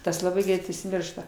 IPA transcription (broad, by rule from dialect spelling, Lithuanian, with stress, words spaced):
ˈtɐs lˠɐˈbɐɪ ˈɡrʲɛɪt ʊʃʲsʲɪˈmʲɪrʃtɐ